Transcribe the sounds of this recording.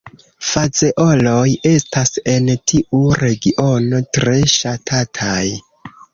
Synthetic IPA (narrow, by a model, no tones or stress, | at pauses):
faze̞ʔo̞lo̞je̞stase̞ntʰiʔuɾe̞ɡiʔo̞no̞tɾe̞ʃatʰatʰaj